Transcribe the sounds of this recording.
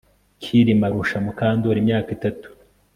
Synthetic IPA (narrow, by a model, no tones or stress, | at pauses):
kʰiɾimaɾuʃamukaːndoɾimɲaːkitatu̥